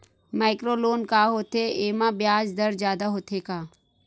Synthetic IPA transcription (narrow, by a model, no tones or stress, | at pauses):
maːɪkɾoːloːnkaːɦoːt̪eeːmãbjaːd͡ʒd̪ɐɾzjaːd̪aɦoːt̪ʰekaː